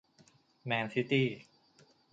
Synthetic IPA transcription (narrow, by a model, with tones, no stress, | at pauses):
mɛː˧nsi˦˥t̪iː˥˩